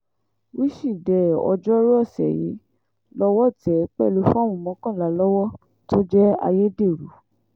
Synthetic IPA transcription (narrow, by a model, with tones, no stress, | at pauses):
wi˦ʃi˦˨dɛ˨ɔ̰˧d͡ʒɔ˦ɾɔ˦˨sɛ̰˨jḭ˨˦ | lɔ˦wɔ˦˨tɛ˨k͡pɛ˦˨lo˧˦fã˦˨ũ˨˧˨mɔ̃˨˦kã˦˨la˨˦lɔ˦wɔ˦ | to˦d͡ʒɛ˦a̰˧je˦de˦˨ɾu˨˦